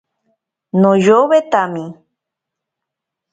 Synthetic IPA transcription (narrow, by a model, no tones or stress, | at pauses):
nõjoβet̪amĩ